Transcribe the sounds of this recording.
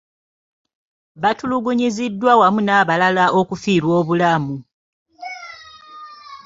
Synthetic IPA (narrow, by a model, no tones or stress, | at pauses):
βatuluɡuɲizidːwawamunaːβalalaʔo̞kufiːɾwo̞ːβulamu